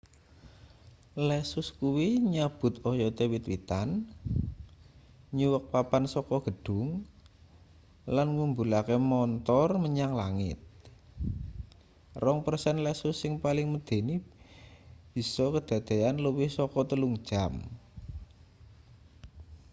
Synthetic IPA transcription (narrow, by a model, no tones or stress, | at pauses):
lɛsʊskuwiɲab̥ʊ̤t̪ɔjɔt̪ewit̪wit̪an | ɲuwək̚papansɔkɔɡ̥ə̤ɖ̥ʊ̤ŋ | lanŋumbulakemɔnt̪ɔrməɲaŋlaŋɪ̰t̪̚ | rɔŋpərsɛnlɛsʊsːɪŋpalɪŋməd̪̥e̤ni | b̥i̤sɔkəd̪̥ä̤d̪̥e̤anləwɪhsɔkɔt̪əluŋd̥ʒ̥am